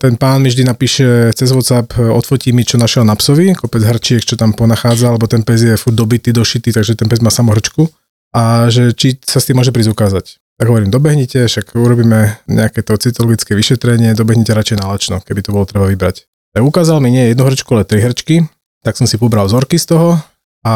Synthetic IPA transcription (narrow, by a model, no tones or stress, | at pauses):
t̪ɛnpaːnmivʒd̪inapiːʃɛt͡sɛzʋɔt̪t͡sapɔt̪fɔcimit͡ʃɔnaʃɪɛlnapsɔʋikɔpɛd͡zɦr̩t͡ʃɪɛkt͡ʃɔt̪ampɔnaxaːd͡zaalɛbɔt̪ɛnpɛzjɛfud̪ɔbit̪iːd̪ɔʃit̪iːt̪aɡʒɛt̪ɛnpɛzmaːsamɔɦr̩t͡ʃku | ʔaʒɛt͡ʃisast̪imːɔʒɛpɾiːzukaːzac | t̪aɡɦɔʋɔɾiːmd̪ɔbɛɦɲicɛfʃakuɾɔbiːmɛɲɛ̰akɛt̪ɔt͡sit̪ɔlɔɡit͡skɛʋiʃɛt̪ɾɛɲɪɛd̪ɔbɛɦɲicɛɾat͡ʃɛjnalat͡ʃnɔkɛbit̪ɔbɔlɔt̪ɾɛbaʋibɾa̰c | t̪aɡukaːzalmiɲɪɛjɛd̪nuɦr̩t͡ʃkualɛt̪ɾiɦr̩t͡ʃki | t̪aksɔmsipɔbɾalzɔɾkist̪ɔɦɔ | a